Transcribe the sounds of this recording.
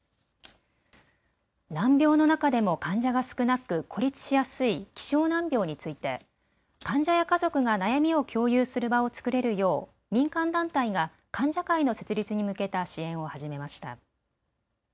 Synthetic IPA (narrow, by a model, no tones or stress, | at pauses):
nãmbʲo̞ːno̞nakad̪e̞mo̞kãɲ̟d͡ʑaɡasɨ̥kɯ̟nakɯ̟kʰo̞ɾʲit͡sɨ̥ɕijasɨikʲi̥ɕo̞ːnãmbʲjo̞ːɲ̟it͡sɨit̪e̞̰ | kãɲ̟d͡ʑajakazo̞kɯ̟ɡanajamʲio̞kʲo̞ːjɯːsɨɾɯ̟bao̞t͡sɨ̥kɯ̟ɾe̞ɾɯ̟jo̞ː | mʲĩŋkãnd̪ãnt̪aiɡa | kãɲ̟d͡ʑakaino̞se̞t͡sɨɾʲit͡sɨɲ̟imɯ̟ke̞t̪aɕiẽ̞ɰ̃o̞haʑime̞maɕi̥t̪a̰